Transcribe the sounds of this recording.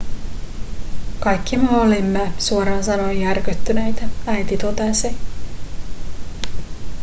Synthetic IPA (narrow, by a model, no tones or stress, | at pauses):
kɑjkːimeolimːesuoɾɑːnsɑnojærkøt̪ːynejt̪ææjt̪it̪ot̪ese